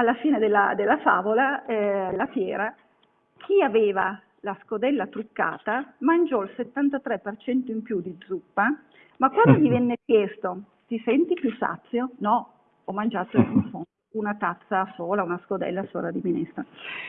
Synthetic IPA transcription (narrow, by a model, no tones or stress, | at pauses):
alːafiːned̪elːa̰d̪elːafa̰ːvolaɛelːafjɛːɾa | k̟ʰiaveːva | laskod̪ɛlːat̪ɾukːa̰ːt̪amand͡ʒɔilset̪ːant̪at̪ɾɛpːert͡ʃɛnt̪oimpjud̪id̪zupːa | makːwand̪oɲivɛnːekjɛst̪o | t̪isɛnt̪ipjusa̰t̪sːjonɔ | ɔmːand͡ʒaːt̪oiumfonounat̪at̪sːasoːlaunaskod̪ɛ̰lːaso̰ːlad̪iminɛ̰st̪a